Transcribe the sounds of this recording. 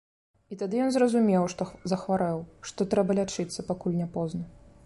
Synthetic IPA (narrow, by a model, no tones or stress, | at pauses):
it̪ad̪ɨjɔnzrɐzumʲɛwʂt̪ɔzɐxvaɾɛwʂt̪ɔt̪ɾɛbɐlʲat͡ʂɨt̪sːɐpakulʲnʲɛpɔznɐ